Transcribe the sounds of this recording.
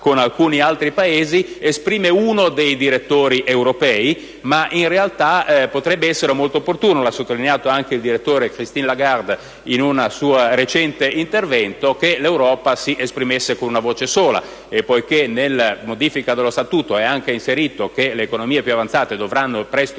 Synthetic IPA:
konalkuːnialt̪ɾipaeːziespɾiːmeuːnod̪ejd̪iɾet̪ːoːɾiʔewɾopɛːi | maʔinrealt̪apot̪ɾɛbːeɛsːeɾemolt̪oːpːort̪uːnolasːot̪ːolineaːt̪oaŋkeild̪iɾet̪ːoːɾekɾist̪inlaɡard̪ | inunasuːaɾet͡ʃɛnt̪eint̪ervɛnt̪ok̟elewɾɔːpasiʔespɾimesːekonunavoːt͡ʃesoːla̰ | epːojkenelmod̪iːfikad̪elost̪at̪uːt̪oɛaŋk̟einseɾiːt̪ok̟eleːkonomiːepjuavant̪saːt̪ed̪ovɾanːopɾɛst̪

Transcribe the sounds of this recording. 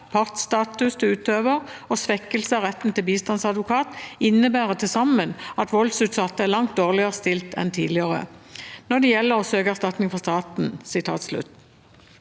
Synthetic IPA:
pʰɑʁt̪st̪ɑːt̪ʉsd̪ʉʉːt̪øːʋəʁɔsʋɛkːəlsəɑʁɛt̪ːn̩t̪ɪlbiːst̪ɑnsɑd̪ʋʊkʰɑːt̪ɪnːəbæːʁət̪ʰɪsɑmənɑt̪ʋɔld̪sʉːt̪sɑt̪ːəæʁlɑŋt̪̚d̪oːʁlɪəʁəst̪ɪlt̪ʰɛ̰nt̪ʰiːlɪəʁə̰nɔd̪ɛjɛlːəʁɔsøːɡəæʁst̪ɑt̪nɪŋfɔst̪ɑːt̪nsɪt̪ʰɑ̰ːt̪slʉ̰t̪ː

